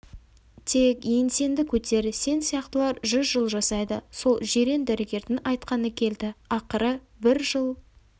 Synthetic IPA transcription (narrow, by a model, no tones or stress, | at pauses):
t̪ʰe̞kense̞nd̪ɪkʲʰɵt̪e̞ɾse̞nsijɑqt̪əlˠɑɾʒʏzʒəlˠʒɑsɑjd̪əso̞lˠʒe̞ɾe̞nd̪æɾeɡʲe̞ɾd̪ɪnɑjt̪qɑnəkʲʰe̞ld̪ɪɑqəɾə | bɪɾʒəlˠ